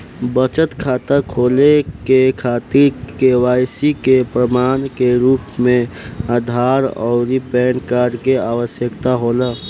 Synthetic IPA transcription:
bət͡ʃət̪kʰaːt̪əkʰoːlekekʰaːt̪iɾkewaːjsikepɾəmaːnkeɾuːpmẽaːd̪ʱaːɾɔ̰ːipɛːɳɖkaɾkeaːwəsjəkt̪aɦoːlə

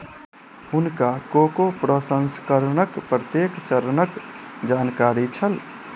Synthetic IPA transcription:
ʊnkakokopɾəsə̃nskəɾnəkpɾət̪jekt͡ʃəɾnəkd͡ʒaːnkaːɾit͡ʃʰəl

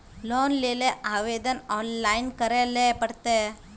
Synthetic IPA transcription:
loːnleːleʔaːʋed̪ɐnaːnlɐjnkɐɾelːepɐɽt̪e

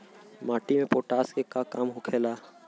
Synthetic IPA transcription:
maːʈimẽpoːʈaːskekakaːmɦokʰeːlaː

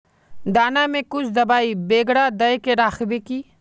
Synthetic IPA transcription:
d̪aːnamẽkʊt͡ʃʰd̪ɐbaːibeːɡɽad̪ɐekeɾaːxbekiː

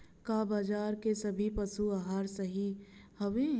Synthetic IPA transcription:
kaːbaːd͡ʒaːɾkesɐbʱipɐsuaɦaːɾsəɦihɐʋẽ

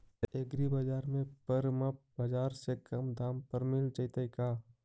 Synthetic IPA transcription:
eɡɾibad͡ʒaːɾmẽpəɾmɐp̚bɐd͡ʒaːɾsekɐmd̪aːmpəɾmɪlt͡ʃɐit̪aikaː

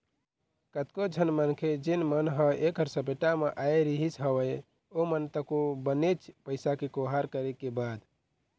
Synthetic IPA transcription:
kət̪kod͡ʒʱənmənkʰed͡ʒinmənɦəekəɾsəpeʈameʔajeɾiɦisɦəwəj | omənt̪əkobənet͡ʃʰpəɪsakekoɦaɾkəɾekebad̪

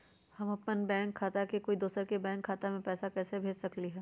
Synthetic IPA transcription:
hɐmɐpnənbɛ̃ːŋkʰːaːt̪akekoːid̪oːsəɾkebɛ̃ːŋkʰːaːt̪amẽpɛːsakɛːsebʱeːd͡ʒsɐkliɦɛː

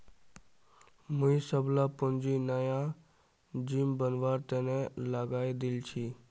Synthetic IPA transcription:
mũĩsəblaːpʊnd͡ʒiːnəjã | d͡ʒiːmbənʋaːɾt̪ẽːnɛ̃laːɡaːid̪ɪlt͡ʃʰiː

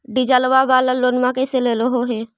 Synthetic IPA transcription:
ɖid͡ʒəlʋabaːləloːnmãkeseleːloɦoɦeː

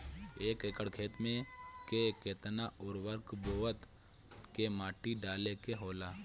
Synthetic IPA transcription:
eːkekəɽkʰeːt̪mẽkekeːt̪naʊɾʋəɾkboːət̪ | kemaːʈiɖaːlekeɦoːlaː

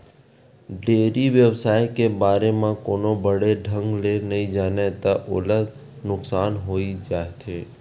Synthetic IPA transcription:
ɖeːɾiʋjəwsaːekebaːɾemẽkoːnobəɽeɖʱə̃ŋɡlenɐɦĩd͡ʒaːnet̪aʔʊ̰ləd̪ | nʊksaːnɦoːid͡ʒaːet̪ʰeː

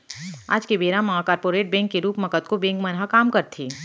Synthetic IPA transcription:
a̰ːd͡ʒkebeːɾãmɐɦakaːɾpoːɾeːʈ̚bɛ̃ːŋkːeɾuːpmɐkət̪kobɛ̃ːŋkmɐnɦakaːmkɐɾt̪ʰiː

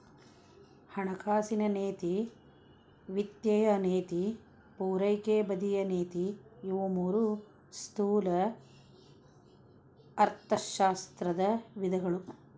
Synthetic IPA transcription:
hɐɳɐkʰaːsinɐneːt̪i | ʋit̪jɐjɐneːt̪i | puːɾɐjkeːbɐd̪ijɐneːt̪ijuʋɐmuːɾu | st̪uːlɐ | ɾt̪ʰɐʃaːst̪ɾɐd̪ɐʋid̪ʱɐɡɐɭu

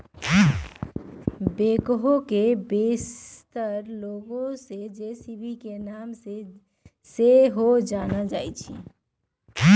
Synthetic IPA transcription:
bekɦokebest̪əɾloɡõsed͡ʒesibʱikenamse | seɦod͡ʒanəld͡ʒajt͡ʃʰḭ

